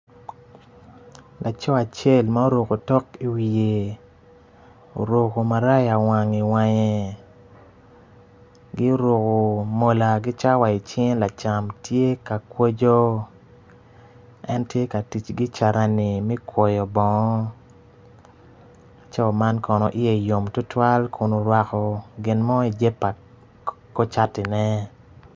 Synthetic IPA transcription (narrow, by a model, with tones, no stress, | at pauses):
lʔa˨t͡ʃɔ˦a˨t͡ʃe˦˨lma˦o˦ɾo˨ko˨tɔ˦ki˨wi˨e˨ | o̰˨ɾo˨ko˨ma˨ɾa˦ja˨wa˨ŋi˨wa˨ɲɛ˨ | ɡɪ˦o˦ɾo˨ko˨mo˨la˨ɡɪ˦t͡ʃa˦wa˨i˨t͡ʃe˦ŋla˨t͡ʃa˨mtje˦ka˨kwo˦d͡ʒo˦ | ɛ˦ntje˦ka˨ti˨t͡ʃɡɪ˦t͡ʃa˨ɾa˦ni˨mi˦kwɔ˨jɔ˨bɔ˨ŋɔ˦ | a˨t͡ʃa˦˨ma˦nkɔ˨nɔ̰˨ʔɪ˦je˦˨jo˨mtʊ˦twa˦lkʰʊ˨no˨ɾwa˨kɔ˨ɡɪ˨nmɔ˦i˨d͡ʒe˦pa˨ | ko˦t͡ʃa˦tɪ˨nɛ˦